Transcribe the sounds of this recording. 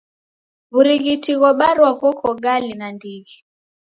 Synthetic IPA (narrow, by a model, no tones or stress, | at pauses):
βuɾiɣitiɣɔɓaɾwaɣɔkʰɔɡalinandiɣi